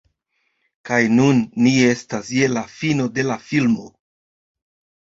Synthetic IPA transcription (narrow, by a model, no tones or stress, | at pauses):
kajnunːie̞stasje̞lafino̞de̞lafilmo̞